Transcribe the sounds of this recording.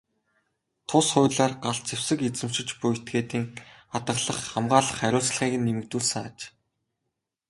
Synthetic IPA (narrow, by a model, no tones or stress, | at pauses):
t̪ʰʊsχʊːɮaːrɢaɮt͡sʰew̥sɘ̆ket͡sɘ̆m̥t͡ɕɪ̆t͡ɕpʊjʰt̪ɡeːt̪iːŋat̪ə̆ɮə̆χːamɢaːɮə̆χæɾʲʊːt͡s̆ɮχiːɣɘ̆nːemɘ̆k̚t̪uːɮsə̆ŋat͡ɕ